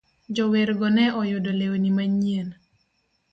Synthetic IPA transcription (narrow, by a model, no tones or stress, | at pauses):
d͡ʒɔweɾɡɔnɛʔɔjodolewnimaɲien